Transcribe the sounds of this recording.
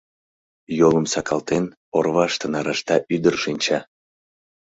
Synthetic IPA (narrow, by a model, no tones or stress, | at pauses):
joləmsɑkʰɑlt̪en | orβɑʃt̪ənɑɾɑʃt̪ɑʔyd̪ərʃinʲt͡ɕɑ